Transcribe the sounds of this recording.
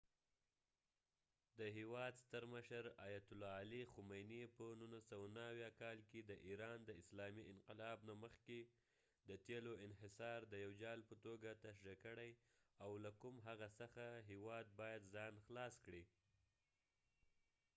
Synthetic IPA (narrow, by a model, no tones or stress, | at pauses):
d̪əɦewɑd̪st̪əɾməʃəɾɑjat̪ʊlɑːlixʊmajnipənunasawanaːwjɑkɑlked̪əʔiɾɑnd̪əɪslɑmiɪnqɪlɑbnaməxke | d̪ət̪eloɪnɦɪsɑɾd̪əjawd͡ʒɑlpət̪oɡat̪aʃʒakəɽaj | awlakumɦaɣasəxaɦewɑd̪̚bɑjad̪zɑnxlɑskɽi